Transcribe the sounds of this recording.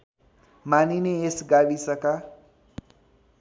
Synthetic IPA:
manineesɡabisʌka

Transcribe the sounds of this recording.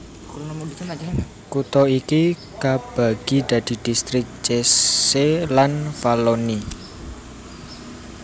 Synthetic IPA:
kut̪ɔiki | kab̥a̤ɡ̥i̤d̪̥a̤d̪̥i̤d̪̥ist̪ɾɪk̚t͡ʃeselanfaloni

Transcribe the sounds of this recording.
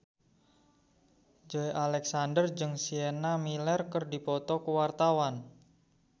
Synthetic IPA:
d͡ʒoeʔalɛksandərd͡ʒɨŋsienamilɛrkərdipɔt̪ɔkəwart̪awan

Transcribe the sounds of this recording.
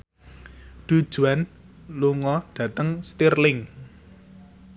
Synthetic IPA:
ɖ̪̥ṳd̥ʒ̥ṳan | luŋɔɖ̥ä̤t̪əŋst̪irlɪŋ

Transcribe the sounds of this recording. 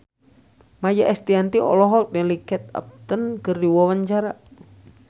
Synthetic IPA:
majaʔɛst̪iant̪iɔ̰lɔɦɔdɛlikɛt̪̚a̰p̚t̪ənkərdiwawaɲt͡ʃaɾa

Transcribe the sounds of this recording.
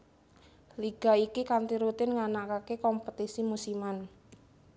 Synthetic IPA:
liɡ̥a̤ikikant̪iɾut̪ɪnŋanakakekɔmpət̪isimusiman

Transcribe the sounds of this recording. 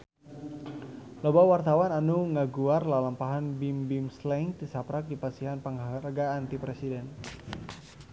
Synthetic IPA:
lɔbawart̪awananuŋaɡuarlalampaɦanbimbimslɛŋt̪isapɾak̚dipasiɦanpəŋaɾəɡaːnt̪ipɾɛsidɛn

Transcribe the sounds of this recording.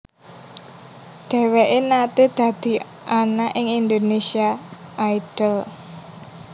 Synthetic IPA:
d̪̥ɛ̤weʔenat̪ed̪̥ä̤d̪̥i̤ | ʔanaʔɪŋind̪onesiaʔajɖ̥əl

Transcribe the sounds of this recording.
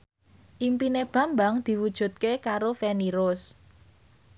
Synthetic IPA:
ʔimpineb̥ä̤mbaŋd̪̥i̤wud̥ʒ̥ṳt̪̚kekaɾofeniɾʊs

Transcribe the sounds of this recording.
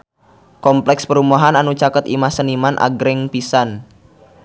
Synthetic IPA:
kɔmplɛkspəɾumaɦananut͡ʃakət̪imahsənimanʔa̰ɡɾɪŋpisan

